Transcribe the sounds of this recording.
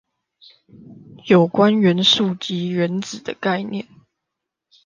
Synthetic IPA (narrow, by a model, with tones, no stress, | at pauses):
jo˨˩ʊkwa˦nɥə˧˥nʂu˥˩t͡ɕi˨˥˦ɥə˧˦nt͡sɹ̩˨˩d̪ə˦ka˥˧ɪnjɛ̰˥˩˨n